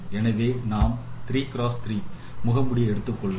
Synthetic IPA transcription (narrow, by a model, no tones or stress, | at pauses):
ɛnɐʋeːnaːmt̪ɾiːkɪɾoːst̪ɪɾiː | mʊɣɐmbʊɽiɛɽɯt̪ːɯkːɔɭʋ